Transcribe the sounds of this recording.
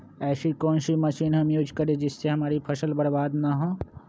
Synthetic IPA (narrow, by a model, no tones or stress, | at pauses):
ɛːsikɔːnsiməʃiːnɦɐmjuːd͡ʒkəɾẽd͡ʒɪsːeɦɐmaːɾipʰɐsəlbəɽbaːd̪naɦõː